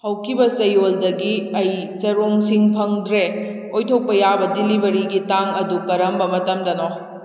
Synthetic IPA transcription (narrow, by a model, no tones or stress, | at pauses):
hɐwkʰibɐsɐjoldɐɡiɐjsɐɾoŋsiŋpʰɐŋdɾe | ojtʰok̚pɐjabɐdilibɐɾiɡitaŋɐdukɐɾɐmbɐmɐtɐmdɐno